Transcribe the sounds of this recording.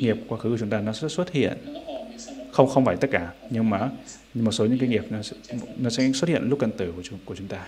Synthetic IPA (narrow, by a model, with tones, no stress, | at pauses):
ŋi˨˩əp̚kwaː˧xɨ˨˦˧ʊ˨˦ŋ͡mt̪aː˧nɔ˨˦sɛ̰˧˥swə˦˥t̚hḭ˧˨ən | xə˧wŋ͡mxə˧wŋ͡mfaː˧˩jt̪ə˦˥t̚kaː˧˩ɲɨ˧ŋmaː˨˩ | mo˨˩t̚so˨˦ɲɨ̰˧˥ŋkaː˨˦ŋi˨˩əp̚nɔ˨˦ɛ˧˥nɔ˨˦sɛ̰˧˥swt̚hḭ˧˨ə˨nlʊ˦˥k͡p̚ka˧nt̪ɨ˧˩ku˧˩˨ku˧˩t͡ɕʊ˨˦ŋ͡mt̪aː˧